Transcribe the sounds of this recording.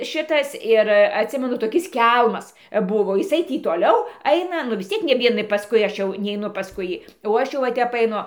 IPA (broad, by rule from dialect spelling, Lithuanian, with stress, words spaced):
ˈʃʲɪtɐs ɪr ɐtʲˈsʲɪmʲɛnʊ toːˈkʲɪs ˈkʲɛlˠmɐs ˈbʊʋoː jɪˈsɐɪ ˈtʲiː toːˈlʲɛʊ ˈɐɪnɐ nʊ ʋʲɪs ˈt͡sʲiɛk nʲɛ ˈʋʲiɛnɐɪ pɐsˈkʊɪ ˈɐʃ jɛʊ nʲɛɪˈnʊ pɐsˈkʊɪ ˈjiː oː ˈɐʃ jɛʊ ʋɐ ˈtʲɛp ɐɪˈnʊ